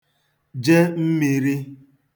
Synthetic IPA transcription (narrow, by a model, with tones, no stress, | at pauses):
d͡ʒe˦m̩˦mi˨ɾi˦